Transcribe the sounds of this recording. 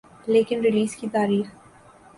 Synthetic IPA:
leːkɪnɾɪliːskit̪aːɾiːx

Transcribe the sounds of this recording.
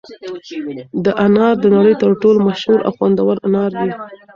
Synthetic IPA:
d̪əʔanɑɾd̪ənaɽəjt̪əɾʈolomaʃhuɾʔa̰wxwand̪awaɾanɑɾd̪i

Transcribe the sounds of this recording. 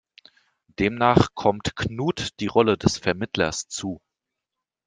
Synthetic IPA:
d̥eːmnaːχkʰɔmtkʰnuːtd̥iːʁɔlədɛsfɛɐmɪtlɐ̰st͡suː

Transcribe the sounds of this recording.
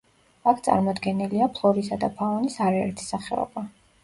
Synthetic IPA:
akʰt̪sʼa̰ɾmɔd̪ɡɛniliapʰlˠɔɾisad̪apʰaɔnisaɾaɛ̰ɾt̪ʰi̥saχɛɔ̰ba

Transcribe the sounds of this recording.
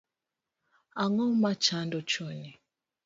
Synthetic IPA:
aŋɔmat͡ʃandɔt͡ʃɔni

